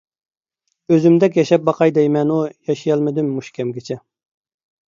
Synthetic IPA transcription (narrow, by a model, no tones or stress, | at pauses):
øzymd̪ɛk̬ʲjɛʃɛp̚bɑqʰɑjd̪ɛjmɛnujɑʃijɑlˠmɪd̪ymːuʃkʲʰɛmɡʲɪt͡ʃʰɛ